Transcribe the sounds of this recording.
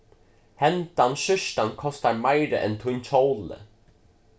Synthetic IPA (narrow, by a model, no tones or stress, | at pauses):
hɛnt̪anʃʏʃt̪ankʰɔst̪aɹmajɾə̰ʔɛ̰nt̪ʰʊnt͡ʃʰowlə̰